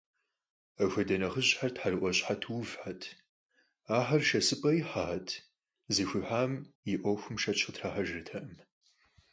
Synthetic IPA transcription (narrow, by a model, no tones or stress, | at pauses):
ɐxʷɐdɐnɐχəɕʼħartħarɨʔʷɔɕʼħatʰwʊvħatʰ | aːħɐrʃɐsɨpʼɐjɪħaːtʰ | zixʷɨħaːmjɪʔʷɔxʷʊmʃɐt͡ʃʰɨtʰraːħaʒɪrtʰɐʔɨm